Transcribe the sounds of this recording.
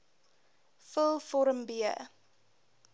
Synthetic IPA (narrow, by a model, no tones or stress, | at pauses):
fəlˠfɔɾəmbiə